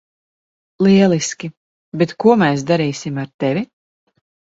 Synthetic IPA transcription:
lˠiɛlˠiskʲi | bɛt̪kuɔmɛjs̬d̪aɾiːsimaɾt̪ɛvʲi

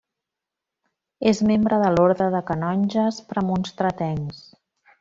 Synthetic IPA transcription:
ezmembɾəðəloɾðɾəðəkənɔnʲʒəspɾəmunst̪ɾət̪ɛŋs

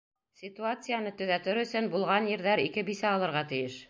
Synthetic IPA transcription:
sʲit̪uat̪sɨjanɤt̪ɵ̆ðæt̪ɘɾɵ̆sɵnbulˠʁɑnjɘ̆ɾðæɾikɘbisæɑlˠɤ̆ɾʁɑt̪ɘ̆jɘʃ

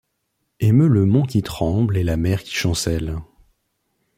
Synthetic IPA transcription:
emøləmɔ̃kʲit̪χɑ̃blɛlamɛʁkʲi̥ʃɑ̃sɛl

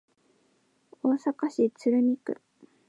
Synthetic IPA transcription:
o̞ːsakaɕit͡sɨɾɯ̟mʲikɯ̟̰

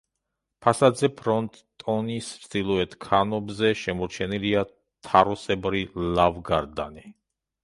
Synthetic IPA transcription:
pʰasad̪zɛpʰɾɔnt̪ʼːɔnisd̪ilˠɔɛt̪ʰkʰanɔbzɛʃɛmɔɾt͡ʃʰɛnilia | t̪ʰaɾɔsɛbɾilavɡaɾd̪a̰ni

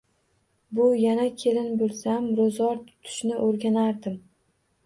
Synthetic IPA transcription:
bʊjanakʲʰe̞lɪnbʊɾsamɾozɒɾt̪ʰʊ̥t̪ʰʊ̥ʃnɪʔoɾɡʲanaɾd̪ɪm

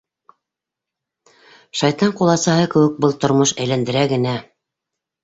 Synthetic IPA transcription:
ʃɑjt̪ɑɴqulˠɑsɑɦɤkɘ̆wɘk̚bɤlˠt̪ŏɾmɤʃæjlænd̪ɘ̆ɾæɡɘ̆næ

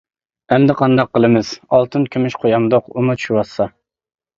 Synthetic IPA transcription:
ɛmd̪ɪqʰɑnd̪ɑqːəlˠɨmɨz̥ɑlˠt̪ʰɨnkʲʰømyʃqʰojɑmd̪oqumut͡ʃʰy̥ʃywɑsːɑ

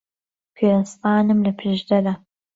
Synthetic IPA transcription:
kʰeːsɑːnɨmlɐpʰɨʒd̪ɐd̪ɐ

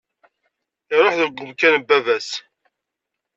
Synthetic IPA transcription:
iɾˤoħðəɡʷːəmkænbːævæs

